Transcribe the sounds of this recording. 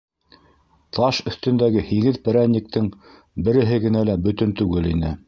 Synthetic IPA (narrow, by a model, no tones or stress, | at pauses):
t̪ʰɑʃɵ̆θt̪ɵ̆nd̪æɡɘhiɡɘðpɘ̆ɾænʲːik̚t̪ʰɘŋ | bɘ̆ɾɘ̆ɦɘɡɘ̆nælæbɵ̆t̪ɵnt̪ʉɡɘlinɘ